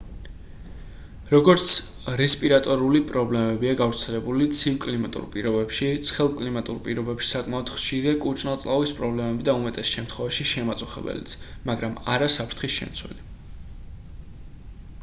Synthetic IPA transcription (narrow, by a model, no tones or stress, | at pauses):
ɾɔɡɔɾt̪sʰ | ɾɛspʼiɾat̪ʼɔɾulipʼɾɔblɛmɛbiaɡavɾt̪sʰɛlɛbulit̪sʰivkʼlimat̪ʼṵɾpʼiɾɔbɛpʃit̪sʰχɛlˠkʼlimat̪ʼṵɾpʼiɾɔbɛpʃi̥sakʼmaɔd̪̥χʃiɾiakʼut͡ʃʼnalˠt̪sʼlˠavispʼɾɔblɛmɛbid̪aumɛt̪ʼɛsʃɛmt̪ʰχwɛvaʃiʃɛmat̪sʼuχɛ̰bɛ̰lḭt̪sʰmaɡɾamaɾasapʰɾt̪ʰχisʃɛ̰mt̪sʰwɛ̰li